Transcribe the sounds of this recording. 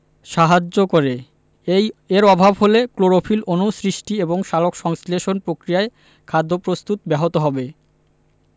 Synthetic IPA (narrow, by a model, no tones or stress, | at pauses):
ʃaɦad͡ʑokoɾe | eɾɔbʱabɦolekloɾofʰilonusɾiʃʈieboŋʃalokʃɔŋsleʃonpɾokɾijae | kʰad̪ʱːopɾost̪ut̪bɛɦot̪oɦɔbe